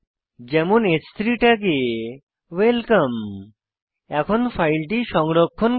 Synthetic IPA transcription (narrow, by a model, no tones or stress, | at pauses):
d͡ʑɛmunest̪ʰɾiʈak̬e | welkam | ɛkʰonpʰajlʈiʃɔŋɾokʰːon